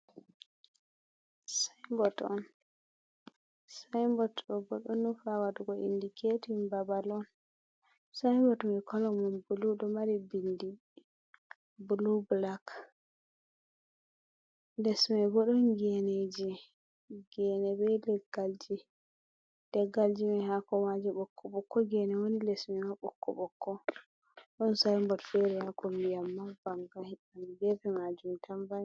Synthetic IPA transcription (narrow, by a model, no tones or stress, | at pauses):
sajmbɔtɔ̰n | sajmbɔtɗɔbɔɗɔnːufawaduɡɔḭndikʰetimbabalɔn | sajmbɔtmɛkʰɔlɔmɔnbuluɗɔmaɾibindi | bulublak | lɛsmɛɡɔɗɔnɡɛned͡ʒi | ɡ̥ɛnɛbɛlɛɡ̥ald͡ʒi | d̥ɛɡːald͡ʒimɛhakɔmad͡ʒɛɓɔkʰːɔɓɔkːɔɡɛnɛwonilɛsmɛmaɓɔkːɔ̰ɓɔkːɔ | ɗɔnsajmbɔtfɛɾɛhakɔmbijamːabaŋɡahianɡɛpɛmad͡ʒumtʰambaj